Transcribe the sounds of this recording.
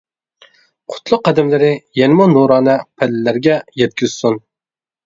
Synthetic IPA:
qʰʊ̥t̪ʰlˠʊqːæd̪ɪmlɪɾɪjɛnɪmunoɾɑːnɨpʰælːɪlæɾɡʲɛjɛt̪̚kʲyz̥sun

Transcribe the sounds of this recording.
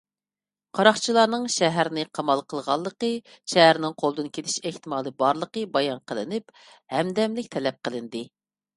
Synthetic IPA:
qʰɑɾɑχt͡ʃʰilˠɑːnɨŋʃɛɦæɾnɪqʰɑmɑlˠqʰəlˠʁɑlˠːəqə | ʃɛɦæɾnɪŋqʰolˠd̪ɨnkʲʰelʰɪ̥ʃeht̪ɪmɑːlˠɨbɑɾlˠəqəbɑjɑnqʰəlˠɨ̰nɪp | hɛmd̪ɛmlɪkʲt̪ʰɛlɛp̚qəlˠɨnd̪ɨ

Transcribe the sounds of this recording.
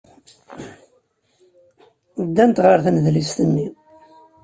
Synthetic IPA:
d̪ːænt̪ʁəɾθænəðlist̪ənːi

